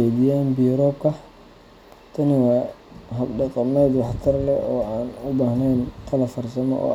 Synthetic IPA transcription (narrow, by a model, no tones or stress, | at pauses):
ɛd̪ijaːnbijʊɾɔːb̚kʰɐ | t̪ʰɐnɪwaːɦɐbɖɑqɑmɛːd̪wɑħt̪ʰɐrlɛɔːaːnʊbaːhnɛjnt̪ʰɐlɐfɐrsɐmɔ̰ʔɔ̰ː